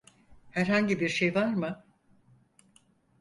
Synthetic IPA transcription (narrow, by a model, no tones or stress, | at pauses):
hæɾɦaɲɟibiɾʃejvaɾmɯ